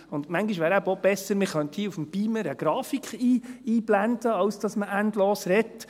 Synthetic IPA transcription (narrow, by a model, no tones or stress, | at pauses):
ʊndmæŋɡiʃʋæːɾæbəob̥ɛsəɾmɪχœnthiufm̩b̥iːməɾəɡ̥ɾɑːfikχiːiːblændəɑwsd̥ɑsməʔæntloːsrɛtː